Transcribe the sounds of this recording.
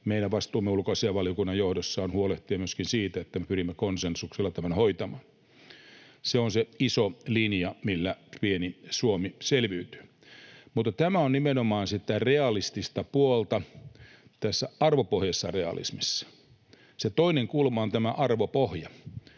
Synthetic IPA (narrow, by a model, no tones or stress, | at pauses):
meilæʋɑst̪uːmːeulkɑsejɑʋɑljokunːɑjjohdosːɑːnhuoleht̪iɑmyøskinsiːt̪æet̪ːæmepyrimːekonsensukselːɑt̪æmænhoit̪ɑmɑːn | seonseisolinjɑmilːæpienisuomiselʋiːt̪y̥ː | mut̪ːɑt̪æmæonnimenomɑːnsit̪ːæreɑlist̪ist̪ɑpuolt̪ɑ | t̪æsːæɑrʋopohjɑsːɑreɑ̰lḭsmisːɑ̥ | set̪oineŋkuːlmːˑɑont̪æmæʔɑrʋopohjɑ